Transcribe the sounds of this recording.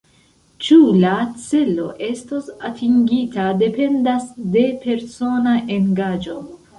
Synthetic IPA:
t͡ʃulat͡se̞lo̞̰ʔe̞stosatʰiŋɡitade̞pe̞ndasde̞pe̞ɾso̞naʔe̞ŋɡad͡ʒo̞

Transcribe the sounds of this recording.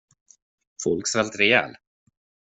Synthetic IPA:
fɔlksvɛlt̪ɾɛjɛ̰ːl

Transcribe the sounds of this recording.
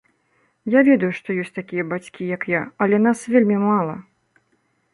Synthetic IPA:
javʲɛd̪ɐjuʂt̪ɔjɔsʲt͡sʲt̪akʲijɐbat͡sʲkʲijɐkjaɐlʲɛnasvʲelʲmʲimalˠɐ̰

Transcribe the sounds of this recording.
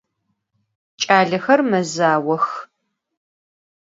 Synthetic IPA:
t͡ʃʼaːɮɐxɐrmɐzaːwɐx

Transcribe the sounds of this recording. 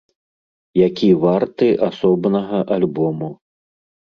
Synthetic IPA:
jakʲivart̪ɨʔasɔbnɐɣɐʔalʲbɔmu

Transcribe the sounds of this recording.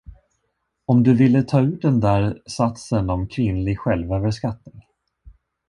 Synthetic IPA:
ɔmd̪ɵvɪlːət̪ʰɑːʉ̟ːt̚d̪ɛnd̪æːɾsat̪sənɔmkʰvɪnlɪɡɧɛlvøːvəɾʂkat̪nɪŋ

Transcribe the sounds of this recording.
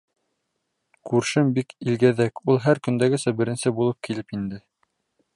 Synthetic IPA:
kʉɾʃɘmbikilɡæðækulˠɦæɾkɵ̆nd̪æɡɘ̆sæbɘ̆ɾɘ̆nsɘbulˠɤp̚kilɘpind̪ɘ

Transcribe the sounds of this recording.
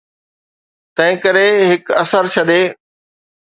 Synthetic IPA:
t̪ɐ̃ɦɪ̃kɐɾeɦɪkɐsəɾt͡ɕʰɐɗeː

